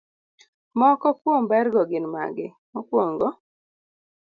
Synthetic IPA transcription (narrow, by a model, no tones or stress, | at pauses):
mɔkɔkwombɛɾɡɔɡɪnma̰ɡɪ̰ | mɔkwoŋɡɔ